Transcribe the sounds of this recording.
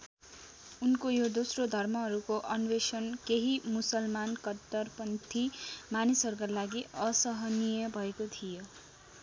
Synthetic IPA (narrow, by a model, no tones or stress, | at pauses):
unkojod̪osrod̪ʱʌrmʌɦʌɾukoʔʌnwesʌnkeɦimusʌlmankʌt̪ːʌrpʌnt̪ʰimanisʌɾukalaɡiʌsʌɦʌnijʌbʱʌekot̪ʰijo